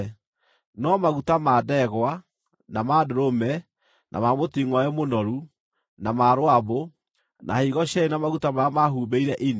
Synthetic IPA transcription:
nɔmaɣutamaːdɛɣwa | namadeɾomɛ | nʔa̰mamotiŋɔɛmonɔɾu | namaɾowaβo | nʔa̰hiɣɔʃɛenɔmaɣutamamaɦuːbeiɾɛʔine

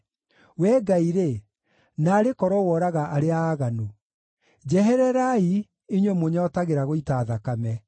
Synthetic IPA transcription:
wɛːɡaiɾe | naːɾekɔɾwɔwɔɾaɣaʔaɾeaaːɣano | d͡ʑɛɦɛɾɛɾai | iɲwemoɲɔtaɣeɾaɣoitaːðakamɛ

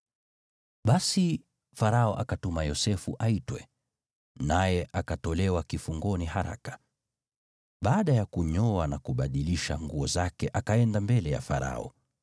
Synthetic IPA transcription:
ɓasi | faɾaɔʔakatumajɔsɛfuʔaitwɛ̰ | najɛʔakatɔlɛwakifuŋɡɔnihaɾa̰kḁ | ɓaːɗajakuɲɔanakuɓaɗiliʃaŋɡuɔzakɛʔakaɛndambɛlɛja̰fa̰ɾa̰ɔ̰

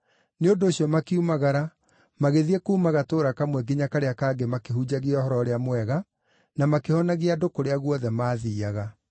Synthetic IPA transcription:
neondoːɕiɔmakeumaɣaɾa | maɣeðiɛkuːmaɣatoːɾakamwɛɡeɲakaɾeakaːɡemakeɦud͡ʑaɣiɔhɔɾɔɾeamwɛɣa | namakehɔnaɣiadokoɾeaɣwɔðɛmaːðiːaɣa

